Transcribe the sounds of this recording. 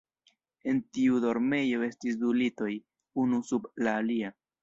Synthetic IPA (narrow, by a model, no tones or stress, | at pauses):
e̞ntiudo̞ɾme̞jo̞e̞stis̬dulito̞j | unusublaːlia